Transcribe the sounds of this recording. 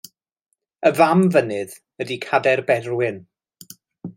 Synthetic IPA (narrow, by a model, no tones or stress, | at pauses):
əvamvənɨð | ədikʰadɛrbɛrwɪn